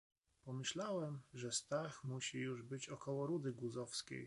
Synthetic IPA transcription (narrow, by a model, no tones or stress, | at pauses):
pɔmɘɕlawɛmʐɛst̪axmuɕijuʐbɘt͡ɕɔkɔwɔɾud̪ɘɡwuzɔfskʲḛj